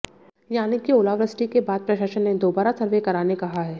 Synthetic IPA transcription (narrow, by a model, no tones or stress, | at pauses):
jaːnɪkːioːlaːʋɾəsɪ̥ʈikebaːd̪̚pɾɐʃaːʃənːed̪oːbaːɾasɐɾʋekɐɾaːnekɐɦaɦɛː